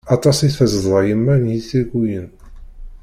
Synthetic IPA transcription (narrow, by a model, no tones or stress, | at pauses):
ɑt̪ˤɑsiθfəzəðˤðˤɑjəmːænjiθiɾɡʷujən